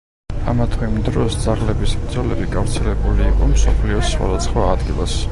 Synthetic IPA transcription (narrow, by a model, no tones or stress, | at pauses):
amat̪ʰwimd̪ɾɔsd̪zaʁlɛbisbɾd̪zɔlɛbiɡavɾt̪sʰilɛbuliːqʼɔmsɔpʰliɔsːwa̰d̪at̪sʰχwaːd̪ɡilˠas